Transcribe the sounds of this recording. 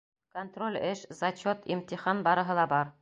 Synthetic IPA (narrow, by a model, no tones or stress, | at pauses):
kont̪rolʲɘʃzɐt͡ɕot̪ḭmt̪iχɑnbɑɾɤ̆ɦɤ̆lˠɑbɑɾ